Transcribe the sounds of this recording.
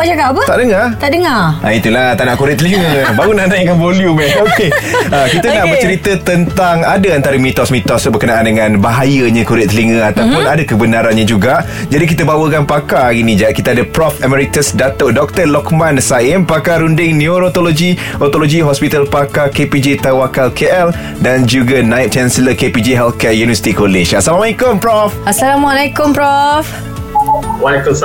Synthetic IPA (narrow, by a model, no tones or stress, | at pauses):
aʔd͡ʒaɡaapət̪aʔdəŋart̪aʔdəŋaait̪ulaht̪anaʔkuɾɪʔt̪əliŋəbaɾunãʔnajkanvoljumɛokeəkit̪ənaʔmə̃ɲt͡ʃəɾit̪ət̪ənt̪aŋadəant̪aɾəmĩt̪ɔsmĩt̪ɔsbərkənaʔandəŋãnbaɦajəɲakuɾɪʔt̪ːəliŋə̃at̪awpʊnadəkəbənaɾanɲad͡ʒuɡaʔ | d͡ʒadik̬it̪əbawəkanpakainĩd͡ʒaʔkit̪aadəpɾɔfɛmɛɾit̪əsdat̪ɔʔ̚dɔk̚t̪əlɔkmãnsaɪmpakaɾundɪŋnĩoɾot̪oloɡi | ɔt̪oloɡiɦɔspit̪alpakakeped͡ʒet̪awakalkʰeʔɛl | dand͡ʒuɡanãjt̪̚t͡ʃɛnsələkepid͡ʒeɦɛlkɛjunivəsi̥t̪ikoleʃasalamamaikʊmpɾɔfasalamalakʊmpɾɔf | walɛkʊ